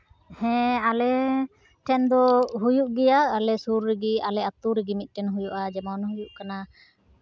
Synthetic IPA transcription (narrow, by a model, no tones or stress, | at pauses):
hɛ̃alɛ | ʈʰɛnd̪ɔɦujuʔɡɛjaːlɛsuɾːɛɡialɛat̪uɾɛɡimit̪̚ˀʈɛnɦujuʔad͡ʒɛmɔnɦujuʔkana